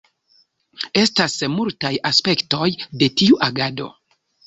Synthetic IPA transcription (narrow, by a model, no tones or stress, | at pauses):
e̞stasmultajaspe̞kto̞jde̞tiuʔaɡado̞̰